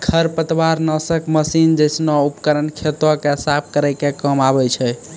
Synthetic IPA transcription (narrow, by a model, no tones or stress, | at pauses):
kʰəɾpət̪waɾnəsəkʰməsind͡ʒəjsnɔupkəɾənkʰet̪wəkesap̚ʰkəɾɛjkekəmabɛt͡ʃʰɛ